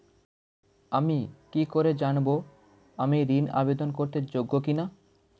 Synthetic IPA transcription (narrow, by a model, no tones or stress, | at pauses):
amikikoɾed͡ʑanbo | amiɾina̰bed̪onkoɾt̪eɾd͡ʑoɡːokina